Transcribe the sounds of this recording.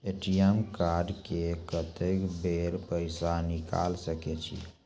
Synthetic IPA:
eʈijɛmkaɾɖkekət̪ekbeɾpəɪsanika̰lsəket͡ʃʰḭ

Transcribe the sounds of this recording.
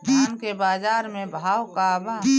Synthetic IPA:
amkebaːzaːɾmẽbʱaːwkaba

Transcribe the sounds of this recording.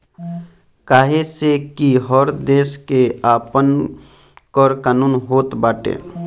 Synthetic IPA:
kaːɦesekiɦɔːɾd̪eːskeaːpən | kɔɾkaːnuːnɦoːt̪baːʈḛː

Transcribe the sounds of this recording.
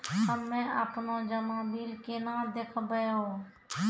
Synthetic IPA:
ɦəmːẽəpnod͡ʒəmabiːlkenãːd̪eːkʰbəjao

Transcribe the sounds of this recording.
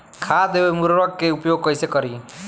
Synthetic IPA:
kʰad̪eemuɾɾəɡ̚keupjoːɡ̚kəjsekəɾi

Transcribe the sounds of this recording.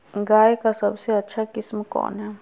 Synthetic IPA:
ŋɡajkasabsiat͡ʃʰakismə̃kõ̰nã

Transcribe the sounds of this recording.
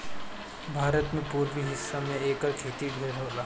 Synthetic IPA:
bʱaːɾət̪mẽpuːɾʋiɦɪsːamẽeːkəɾkʰeːt̪iɖʱeɾɦoːlaː

